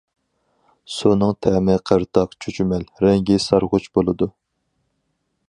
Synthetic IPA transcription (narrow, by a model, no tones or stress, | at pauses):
sunɨŋt̪ʰɛmɪqʰəɾt̪ʰɑqt͡ʃʰyt͡ʃʰymɛlɾɛŋɡʲisɑɾʁʊt͡ʃbolˠɨd̪u